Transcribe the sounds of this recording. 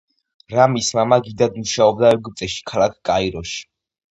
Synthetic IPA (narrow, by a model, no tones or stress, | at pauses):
ɾamismamaɡid̪ad̪muʃaɔb̚d̪aɛɾɡt̪ʼɛʃi̥kʰalˠak̚ʰkʼaiɾɔʃi̥